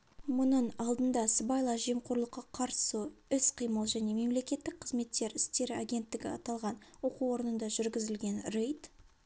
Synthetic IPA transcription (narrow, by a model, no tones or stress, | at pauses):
mʊnəɴɑlˠd̪ənd̪ɑsbɑjlˠɑʒijmqʰʊɾlˠəqːɑqʰɑɾsəʏsqʰijməlˠʒæne̞me̞mle̞kʲe̞t̪ːɪk̚qʰəzme̞t̪ːe̞ɾɪst̪e̞ɾɪaɡʲe̞nt̪ːɪɡʲɪ̰ɑ̰t̪ɑlˠʁɑnwo̞quwo̞ɾənənd̪ɑʒʏɾɡʲɪzɪlɡʲe̞nrejt̪